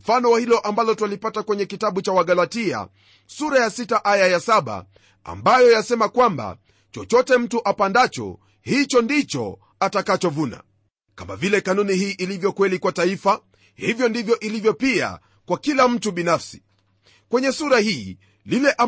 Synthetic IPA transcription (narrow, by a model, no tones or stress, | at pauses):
m̩fanɔwahilɔʔambalɔtwalipatakwɛɲɛkitaɓut͡ʃawaɠalatia̰ | suɾajasitaʔajajasaɓa̰ | a̰mbajɔjasɛmakwamba̰ | t͡ʃɔt͡ʃɔtɛm̩tuʔapandat͡ʃɔ̰ | hit͡ʃɔndit͡ʃɔ̰ | atakat͡ʃɔvuna̰ | kama̰vilɛkanunihiːʔilivjɔkwɛlikwataifa | hivjɔndivjɔʔilivjɔpia̰ | kwakilam̩tuɓinafsi̥ | kwɛɲɛsuɾahiː | lilɛʔa